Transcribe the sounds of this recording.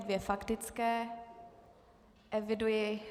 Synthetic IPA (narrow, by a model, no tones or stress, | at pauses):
dvjɛfakt̪ɪt͡skɛ | ʔɛvɪdujɪ